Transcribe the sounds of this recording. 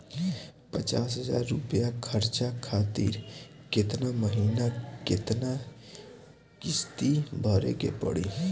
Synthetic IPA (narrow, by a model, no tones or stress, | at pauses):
pət͡ʃaːsɦəza̰ːɾːʊpjakʰəɾt͡ʃakʰaːt̪ḭːɾ | kɪt̪naməɦiːnakɪt̪na | kɪst̪ibʱɔːɾḛkḛpə̰ɽḭː